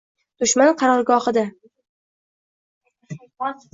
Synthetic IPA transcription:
d̪̥ʊʃmanqʰɑɾɒɾɡɒhɨd̪a

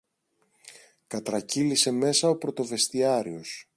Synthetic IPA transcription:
kɐt̪ɾɐcilise̞me̞sɐo̞pɾo̞t̪o̞ve̞st̪iɐɾio̞s

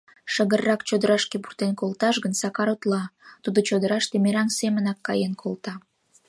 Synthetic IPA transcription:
ʃəɣərːɑkt͡ɕod̪əɾɑʃkepurt̪enkolt̪ɑʃɡənsɑkɑɾot̪lɑt̪ud̪ot͡ɕod̪əɾɑʃt̪emeɾɑŋsemənɑkːɑjenkʰolˠt̪ɑ

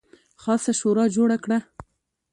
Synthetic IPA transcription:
xɑsaʃoɾɑd͡ʒoɽakɽa

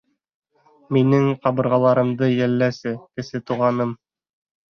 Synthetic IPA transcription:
minɘŋqɑβɤ̆ɾʁɑlˠɑɾɤ̆md̪ɤjælːæsɘkɘ̆sɘt̪uʁɑnɤm

